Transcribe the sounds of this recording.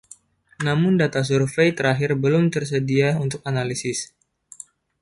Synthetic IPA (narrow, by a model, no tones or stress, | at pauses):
namʊndat̪as̬urfejt̪əɾaɦɪrbəlʊmt̪ərsədiaunt̪ʊk̚analisɪs